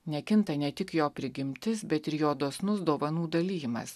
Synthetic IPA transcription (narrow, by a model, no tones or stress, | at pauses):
nʲɛkʲɪnt̪ɐnʲɛt̪ʲɪkjoːpʲɾʲɪɡʲɪmʲt̪ʲɪsbʲɛt̪ɪɾjoːd̪oːsnʊsd̪oːʋɐnuːd̪ɐlʲiːjɪmɐ̰s